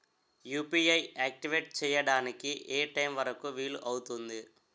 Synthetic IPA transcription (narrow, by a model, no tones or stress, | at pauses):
juːpiɐjaːk̚ʈiʋeːʈ̚t͡ʃɛːjɐɽaːnikiʔeːʈɐjmʋɐɾɐkuʋiːluʔɐwut̪und̪i